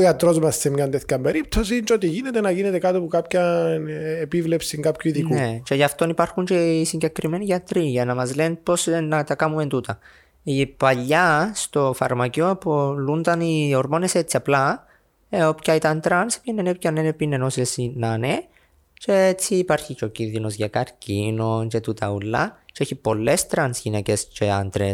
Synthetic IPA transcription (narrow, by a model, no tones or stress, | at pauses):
iɐt̪ɾo̞zmɐssemɲɐnt̪eθcɐmbeɾip̚t̪o̞s̬int͡ʃeot̪iʝinet̪enɐʝinet̪e̞kat̪opukapçɐnepivlepsiŋɡapçuiðiknuet͡ʃeʝɐft̪o̞nipaɾxuɲt͡ʃeisiɲɟe̞kɾimeniʝɐt̪ɾiʝɐnɐmɐzlenpo̞snɐt̪ɐkamument̪ut̪ɐ | ipaʎːɐst̪o̞fɐ̰ɾmɐciopolund̪ɐnioɾmo̞neset͡sːiɐpla | eopcait̪ɐnt̪ɾanspinːenep̚canːenepinenosiesinane | t͡ʃeet͡siːpaɾçit͡ʃocinðino̞zʝɐkɐɾcinot͡ʃet̪ut̪ɐulːat͡ʃeeçipo̞lːest̪ɾɐnsʝinecest͡ʃeand̪ɾe